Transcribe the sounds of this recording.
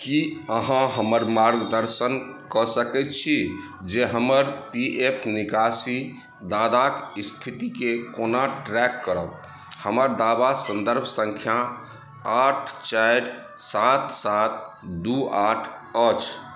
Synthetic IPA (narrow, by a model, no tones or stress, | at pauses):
kiəɦãɦəməɾmaɾɡd̪əɾsənkəsəkɛt̪̚t͡ʃʰi | d͡ʒeɦəməɾpiʔepʰnikasi | d̪ad̪akist̪ʰit̪ikekonaʈɾɛkːəɾət̪ | həməɾd̪abasənd̪əɾbʱsə̃ŋkʰja | aʈʰt͡ʃajɾ | sat̪sat̪̚ | d̪uaʈʰ | ət͡ʃʰ